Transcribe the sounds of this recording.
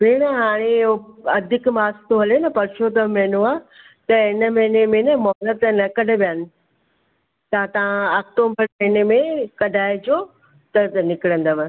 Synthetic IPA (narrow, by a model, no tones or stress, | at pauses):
beːɽ̃əɦaːɽ̃eoɐd̪ʱɪkmaːst̪oɦɐlenɐpɐɾt͡ʃʰot̪ɐmɛɦnũaː | t̪ɐɪnə̆mɐɦɪnemẽnəmɔːlət̪nɐkɐɖ̆ʱʋijəːnɪ̆ | t̪ɐãt̪ɐãaːk̚ʈoːmbəɾmɐɦɪnemẽkɐɖʱaːɪd͡ʑoː | t̪ɐnɪkɪɽə̃nd̪əʋ